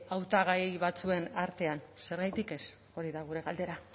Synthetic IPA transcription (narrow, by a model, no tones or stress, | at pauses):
awt̪aɣ̞ajβat͡sue̞naɾt̪e̞anse̞ɾɣajt̪ike̞s | o̞ɾiðaɣ̞uɾe̞ɣald̪e̞ɾa